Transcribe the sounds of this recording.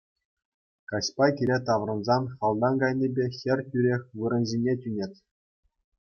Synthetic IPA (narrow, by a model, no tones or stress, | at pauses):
kɑɕpɑkʲiɾʲet̪ɑʋrɤ̆nzɑnχɑlˠd̪ɑnɡɑjnʲebʲexʲɘ̆rʲtʲyɾʲexʲʋɯɾɤ̆nʑʲinʲetʲynʲetʲ